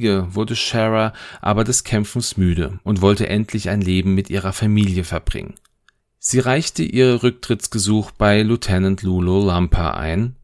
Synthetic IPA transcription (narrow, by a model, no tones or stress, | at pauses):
ɡəvʊɐdəʃɛʁaʔa̰ːbɐdɛskʰɛmfn̩smyːɾə̰ʔʊntv̥ɔltəʔɛntʰlɪçaɪnleːbm̩mɪtʔiːʁ̞ɐfamiːljəfɛɐbʁɪ̰ŋə̰n | z̥iːʁaɪçtəʔiːʁəʁʏk̚tʁ̥ɪt͡sɡ̥əzuːxb̥aɪlutʰɛnantʰlulolampʰa̰ʔa̰ɪn